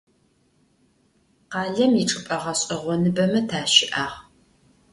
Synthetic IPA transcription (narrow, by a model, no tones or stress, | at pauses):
qɑːɮɐmiʈ͡ʂʼɨpʼɐʁɐɕʼɐʁʷɔnɨbɐmɐtʰaːʃɪʔaːʁ